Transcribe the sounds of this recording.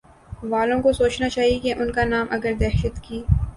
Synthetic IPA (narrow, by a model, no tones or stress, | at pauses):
ʋaːlõkosoːt͡ʃnat͡ʃaːɦikeʔʊnkanaːmʔɐɡəɾd̪ɛːʃət̪kiː